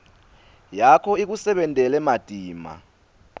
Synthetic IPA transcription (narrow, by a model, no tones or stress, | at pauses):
jakʰɔik̬usɛɓɛntʼɛlɛmad̥ʱʼiːma̰